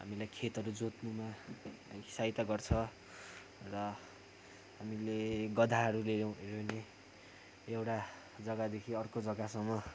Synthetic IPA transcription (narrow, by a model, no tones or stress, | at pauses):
ɦa̰milajkʰet̪ɦʌɾud͡zot̪numa | sajt̪aɡʌrt͡sʰʌ | rʌ | ɦamileɡʌd̪ʱaɦʌɾulewɾene | ewʈa | d͡zʌɡad̪ekʰiʌrkod͡zʌɡasʌŋmːʌ